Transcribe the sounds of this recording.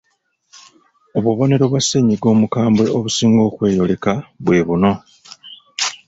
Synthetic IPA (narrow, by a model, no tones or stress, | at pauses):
oβuβo̞ne̞ɾo̞βwasːe̞ɲiɡo̞ːmukaːmbwe̞oβusiːŋɡo̞ːkwe̞ːjo̞le̞kaβwe̞βuno̞